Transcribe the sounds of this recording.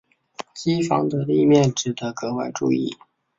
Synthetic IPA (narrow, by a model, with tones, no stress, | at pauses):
ɕi˥fɑ˧˥ŋd̪ə˧li˥˧mjɛ˥˩nʈ͡ʂɻ̩˨˩d̪ə˧˥kɤ˧˥wa˥˧ɪʈ͡ʂṵ˥˧ḭ˥˩